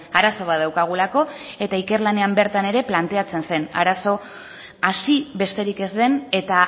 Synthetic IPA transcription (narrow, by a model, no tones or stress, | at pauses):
aɾaso̞β̞aðawkaɣ̞ulako̞e̞t̪aike̞ɾlane̞ambe̞ɾt̪ane̞ɾe̞plant̪e̞at͡se̞nse̞na̰ɾaso̞ | asiβe̞st̪e̞ɾike̞zd̪e̞ne̞t̪a